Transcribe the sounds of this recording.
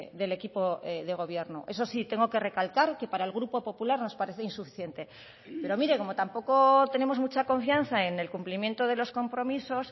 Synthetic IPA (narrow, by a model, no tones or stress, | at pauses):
ðe̞le̞kipo̞eðe̞ɣ̞o̞β̞je̞ɾnoʔe̞so̞sit̪e̞ŋɡo̞ke̞re̞kalkaɾke̞paɾaelɣ̞ɾupo̞po̞pulaɾno̞spaɾe̞θeinsufi̥θje̞nt̪e̞ | pe̞ɾo̞miɾe̞ko̞mo̞t̪ampo̞ko̞t̪e̞ne̞mo̞zmut͡ʃako̞ɱfjan̟θae̞ne̞lkumplimje̞nt̪o̞ð̞e̞lo̞sko̞mpɾo̞miso̞s